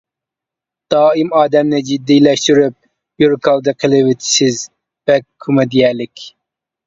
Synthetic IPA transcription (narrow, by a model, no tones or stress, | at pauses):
d̪̥ɑːimɑːd̪ɛmnɪd͡ʒid̪ːijlɛʃt̪yɾyp̚ | bjuɾkʰɑlˠd̪ɨqʰəlˠɨwɪt̪ʰɪ̥ʃɪz | b̥ɛkʲʰːumɛd̪ijɛlɪkʲ